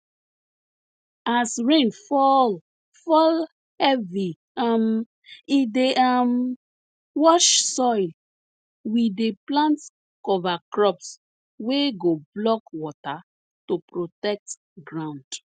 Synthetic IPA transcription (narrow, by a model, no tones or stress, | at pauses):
asɹẽnfɔl | fɔl | ɛvi | m | ideʔam | wɔʃsɔɪl | wideplãnt | kɔvakɹɔps | weɡoblɔkwɔta | topɾotɛk̚t | ɡɹãʊ̃nd̥